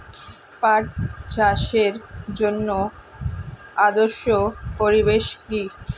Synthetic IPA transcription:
paʈ̚d͡ʑaʃeɾd͡ʑonːo | ad̪oɾʃopoɾibeʃkɾi

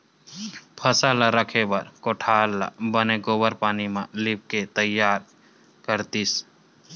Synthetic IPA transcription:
pʰəsaːlaɾəkʰebəɾkoʈʰaːlla̰bəneɡoːbəɾpaːnimãlɪp̚ket̪əjːaːɾ | kəɾt̪is

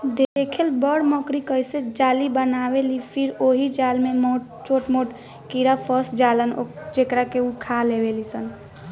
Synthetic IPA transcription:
d̪eekʰelbəɽməkɾikəɦsed͡ʒalibənabelipʰiɾoɦid͡ʒalmemo | t͡ʃoʈmoʈ | kiɾapʰəsd͡ʒalənod͡ʒekɾakeukʰalebelisən

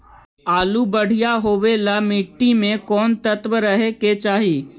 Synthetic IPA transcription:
aːlubəɽ̤ijaɦoːwelamɪʈːimẽkɔːnt̪ət̪ʋəɾəɦeket͡ʃaːɦiː

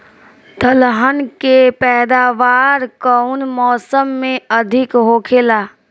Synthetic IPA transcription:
t̪əlɦənkepɛːd̪aːʋaːɾkəʊnmɔːsəmːẽəd̪ʱɪkɦoːkʰeːlaː

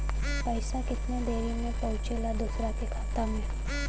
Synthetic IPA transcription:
pəjsãkɪt̪nãd̪eɾimẽpəɦũt͡ʃelad̪usɾat̪ikʰat̪ame

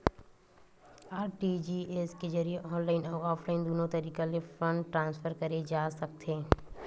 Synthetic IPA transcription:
aːɾʈid͡ʒieːsked͡ʒɐɾijeʔɔːnlaːɪnɔːɾɔːpʰlaːɪnd̪oːnõt̪ɐɾiːkalefɾɐ̃ɳɖʈɾãːnsfəɾkɐɾed͡ʒaːsɐk̚t̪ʰẽː

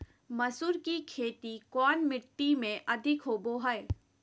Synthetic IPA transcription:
mɐsuɾkikʰeːt̪ikɔːnmɪʈːimẽʔɐd̪ʱɪkɦoːboɦɛe

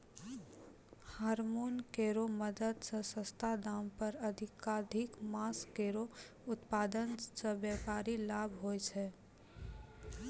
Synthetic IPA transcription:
haːɾmoːnkeːɾoməd̪əd̪səsəst̪ʰad̪aːmpəɾəd̪ʱɪkaːd̪ʱɪkmaːskeːɾo | ʊt̪paːd̪ənsəbjɛpaːɾilaːbʱɦoɛt͡ʃʰɛ

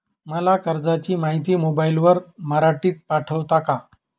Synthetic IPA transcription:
məlakəɾd͡zat͡ɕiːmaɦit̪iːmobailʋəɾməɾaʈiːt̪̚paʈʰəʋt̪aka

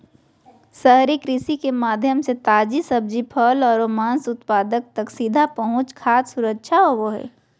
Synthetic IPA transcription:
səɦɾikɾɪsikemaːd̪ʱjəmset̪aːd͡ʒisɐb̚d͡ʒipʰəlɔːɾoːmãːnsʊt̪paːd̪ək̚t̪ɐksid̪ʱapɐɦʊ̃t͡ʃkʰaːt̪sʊɾəkʃʰaoʋoɦɛ̰ː

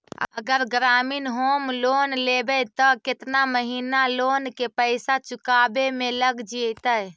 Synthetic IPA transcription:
ə̰ə̰ɡəɾɡɾaminɦomlonlebɛt̪ɔkɪt̪naməɦinalonkepəɪsat͡ʃukabemeləɡd͡ʒit̪əj

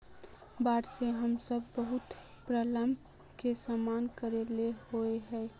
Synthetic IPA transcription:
baːɽseɦəmsəbːəɦʊt̪ | pɾələmbʱ | kesaːmaːnkəɾelehoeɦɛː

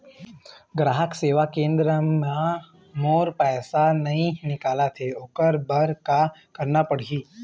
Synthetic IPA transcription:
ɡɾaːɦəkseːʋakẽːnd̪ɾəma | moːɾpɛːsanɐɦĩnɪkaːlat̪ʰeoːkəɾbəɾkakəɾnapəɽ̤iː

